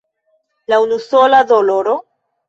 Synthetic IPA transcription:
launusoladoloɾo

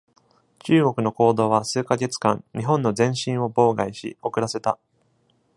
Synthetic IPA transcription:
t͡ɕɨːɡo̞kɯ̟no̞ko̞ːd̪o̞ːβasɨːkaɡe̞t͡sɨ̥kã̰ɲɲiɦõ̞nːo̞zẽ̞ɰ̃ɕĩɰ̃o̞bo̞ːɡaiɕḭo̞kɯ̟ɾase̞t̪a

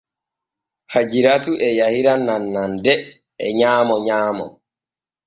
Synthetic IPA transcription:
had͡ʒiɾatuʔɛjahiɾananːandɛ | ɛɲaːmɔɲaːmɔ̰

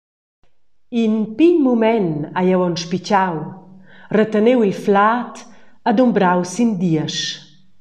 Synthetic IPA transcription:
inpiɲmumɛnajawɔnʃpit͡ʃaw | rət̪ənewilflaːt̪ad̪umbɾawsind̪iəʃ

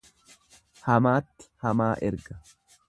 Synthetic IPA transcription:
hɐmaːt̪ːhɐmaːʔɛɾɡɐ

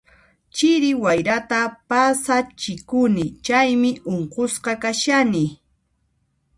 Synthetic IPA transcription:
t͡ʃɪɾɪwajɾat̪apasat͡ʃɪkʊnɪt͡ʃajmɪʔoɴqosqɑkaʃanɪ

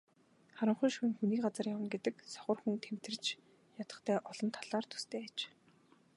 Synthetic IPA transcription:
χaɾə̆ɴχʊjʃuŋxuniːkɢat͡sə̆rjawə̆nɡet̪ɘ̆ksɔ̥χɞ̆rxunt̪ʰem̥t̪ɘ̆rt͡ɕ | jat̪ə̆t̪ʰæːʔɔɮɞ̆nt̪ʰaɮaːrt̪ʰu̥st̪ʰeːæt͡ɕ

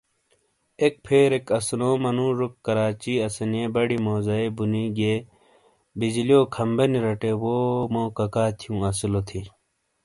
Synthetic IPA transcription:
ek̚pʰeːɾekɐsnoːmɐnũːɾukːɐɾaːt͡ɕiːɐsɐneːbɐɽimoːzɐibuniːɡeː | bid͡ʑilijoːkʰɐmbɐniɾɐʈewoːmõːkɐkaːt̪ʰijũːɐsilot̪ʰi

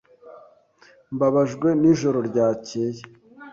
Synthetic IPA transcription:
mbaβaʒɡwe̞niʒo̞ɾo̞ɾɟaːceːje

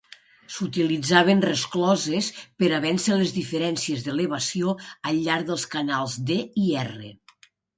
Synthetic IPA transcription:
sut̪ilid͡zaβ̞enrəsklɔzespəɾaβɛnsəlezðifəɾɛnsiezðəleβasioəʎːaɾðəlˠskanalˠzd̪eiɛrḛ

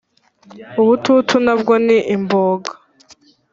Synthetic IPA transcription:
uβututʰunabɡoniʔimboːɡḁ

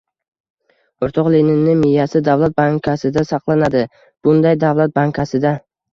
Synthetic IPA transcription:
oɾt̪ʰɒqlenɪnːɪmɪjːasɪd̪avlˠat̪̚baŋkʲʰasɪd̪asɑqlˠanad̪ɪ | b̥ʊnd̪ajd̪avlˠat̪̚baŋkʲʰasɪd̪a

